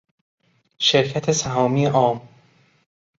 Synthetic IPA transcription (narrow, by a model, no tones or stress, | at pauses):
ʃeɾcʰæt̪ʰesæɦɒːmiːeʔɒːm